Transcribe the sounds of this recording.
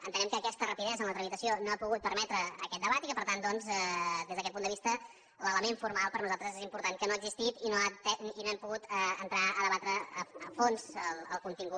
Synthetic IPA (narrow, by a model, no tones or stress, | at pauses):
ənt̪ənɛmkəːkɛst̪ərəpiðɛzənlət̪ɾəmit̪əsionoapuɣut̪̚pəɾmɛt̪ɾəːkɛt̪̚d̪əβat̪ikəpəɾt̪and̪ɔnzɛd̪ezðəkɛt̪pund̪əβist̪ə | lələmeɱfuɾmalˠpəɾnuzalˠt̪ɾəzezimpuɾt̪ankənoəɡzist̪it̪inot̪ɛinoɛmpuɣut̪ɛənt̪ɾaəðəβat̪ɾəːəfonzəlˠəlˠkunt̪iŋɡu